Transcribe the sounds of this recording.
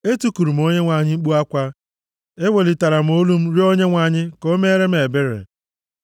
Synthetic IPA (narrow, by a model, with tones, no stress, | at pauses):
e˦tu˦ku˨ɾu˨m̩˨˦o˦ɲe˦ŋʷa˨ɲɪ˦ŋ͡m̩˦k͡pu˦a˦kʷa˦ | e˦we˨li˨ta˨ɾa˨m̩˨˦o˦lu˦m̩˦ɾi˦o˦ɲe˦ŋʷa˨ɲɪ˦ko˦me˦ɾe˦m̩˦e˨be˦ɾḛ˨